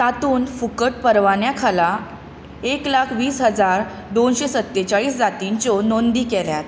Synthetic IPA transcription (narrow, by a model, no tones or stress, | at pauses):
t̪at̪uːnfukəʈ̚pəɾʋanjakʰala | eklakʰʋiːsɦəd͡zaɾ | d̪onɕesət̪ːet͡ɕaɭiːsd͡zat̪iɲt͡ɕonond̪iːkeljat̪